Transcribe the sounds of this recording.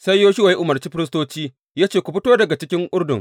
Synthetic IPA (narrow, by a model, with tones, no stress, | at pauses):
sa˦jjoː˦ʃʊ˦wa˨ji˦ʔʊ˨mɐ˨rt͡ʃiː˦ɸɪ˦ɾɪ˦stoː˦t͡ʃiː˦ | jaː˦t͡ʃeː˨kʷu˨ɸɪ˦toː˦dɐ˨ɡa˨t͡ʃɪ˦kʲɪ˦ŋʔʊ˦rdʊ̰˨ŋ